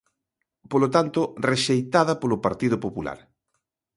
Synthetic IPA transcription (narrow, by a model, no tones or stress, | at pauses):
polot̪ant̪oreʃejt̪aðɐpolopaɾt̪iðʊpopula̰ɾ